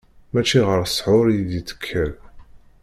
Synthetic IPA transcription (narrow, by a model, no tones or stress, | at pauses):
mæt͡ʃːiʁəɾsˤħʊɾjid̪it͡sːə̥kʰːəl